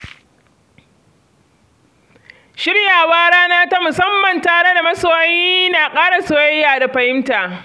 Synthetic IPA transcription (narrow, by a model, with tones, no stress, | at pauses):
ʃɪ˦ɽjaː˨waː˦ɽaː˦naː˦ta˦mʊ˨sɐ˦mːɐ˨ntaː˨ɽe˦da˨mɐ˦soː˦wɐ˦ji˦naː˨kʼaː˦ɽa˨so˨jɐ˦jːaː˨da˨ɸɐ˨jɪ˦mtaː˨ʔ